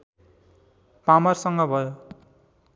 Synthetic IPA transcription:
pamʌrsʌŋɡʌbʱʌjo

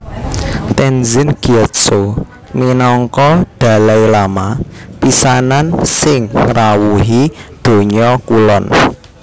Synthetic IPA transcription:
t̪ɛnzɪnɡ̥iɛt̪so | minɔŋkɔd̪̥a̤lajlamapisanansɪŋŋrawuɦid̪̥o̤ɲɔkulɔn

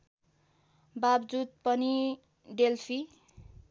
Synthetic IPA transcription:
babd͡zud̪̚pʌni | ɖelpʰi

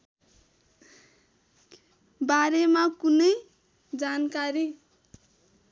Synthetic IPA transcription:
baɾemakunʌj | d͡zankaɾi

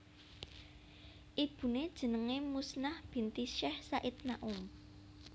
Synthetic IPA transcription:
ʔib̥ṳned̥ʒ̥ə̤nəŋemusnahb̥i̤nt̪iʃɛhsaʔit̪̚naʔum

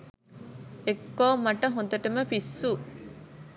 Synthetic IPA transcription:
ekːoːmːɐʈɐɦond̪ɐʈɐməpisːu

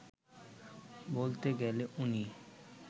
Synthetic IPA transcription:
bolt̪eɡɛleʔuni

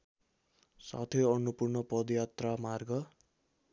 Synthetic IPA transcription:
sa̰t̪ʰeʌnupurnʌpʌd̪jat̪ramarɡʌ

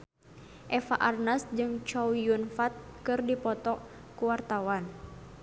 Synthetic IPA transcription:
ʔɛfaʔarnasd͡ʒɨŋt͡ʃɔwjunfat̪̚kɨrdipɔt̪ɔ | kuwart̪awan

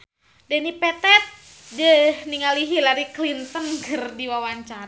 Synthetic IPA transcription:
dɛnipɛt̪ɛt̪̚ | dəhniŋaliɦilaɾiklint̪ənkɨrdiwawaɲt͡ʃaɾ

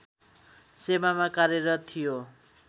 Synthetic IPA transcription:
semamakaɾeɾʌt̪ʰijo

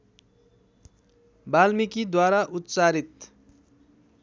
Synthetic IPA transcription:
balmikid̪waɾaʔut̪ːt͡saɾit̪̚

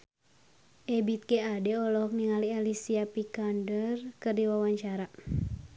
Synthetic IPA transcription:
ʔɛbit̪̚keadɛɔlɔk̚niŋalialisiapikandərkɨrdiwawaɲt͡ʃaɾa

